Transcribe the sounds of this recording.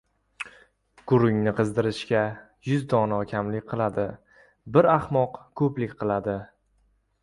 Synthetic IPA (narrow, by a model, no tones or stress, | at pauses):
ɡ̥ʊɾʊŋnɪqʰɨzd̪ɪɾɪʃkʲa | jʊzd̪ɒnɒkʲʰamlɪkʲqʰɨlˠad̪ɪ | bɪɾaχmɒqkʰɵplɪkʲqʰɨlˠad̪ɪ